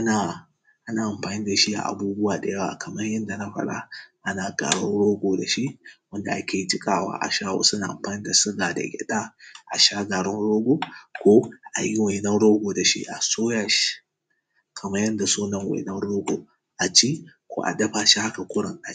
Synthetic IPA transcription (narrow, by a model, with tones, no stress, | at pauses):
ʔa˦na˨ | ʔa˦naː˨ʔa˨mɸaː˨niː˦da˨ʃi˦a̰˨ʔa̰˨buː˦bʊ˦waː˨da˨jɐ˦wa̰˨kʰɐ˨mɐ˦rjɐ˦nda˨na˦ɸɐ̰˨ɽa̰˦ʔa˦na˨ɡa̰ː˨ɽɔ˦nɽoː˦ɡʷoː˨da˨ʃi˦wɐ˦nda˨ʔa˦kʲeː˨i˦d͡ʒɪ˦kʼaː˦˨wa̰ː˦ʔa̰˨ʃaː˦wo̰ː˨sʊ˦na˨ʔa̰˨mɸaː˨ni˦da˨sʊ˦ɡa˨da̰˨ɡʲɛ̰˦ta˦ʔa˨ʃa˦ɡaː˨ɽʊ˦nɽoː˦ɡʷo˨kʷoː˦ʔa˨ji˦we˨nɐ˦nɽoː˦ɡo˨da˨ʃḭ˦ʔa˨soː˦ja˨ʃi̥˦ | kʰɐ˨mɐ˦jɐ˦nda˨so˦nɐ˦˨ŋwḛ˨nɐ˦nɽoː˦ɡʷo̰˨ | ʔa˨t͡ʃi˦kʷo̰˦ʔa̰˨dɐ˦ɸa˨ʃi˦ha˦ka˨kʷʊ˦ɽʊ̰˨ŋʔa˨